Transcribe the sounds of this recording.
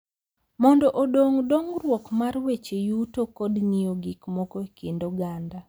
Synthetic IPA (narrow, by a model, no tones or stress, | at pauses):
mɔndɔʔodoŋdoŋrwɔkmarwet͡ʃejutokɔdnijoɡikmɔkoekendoɡanda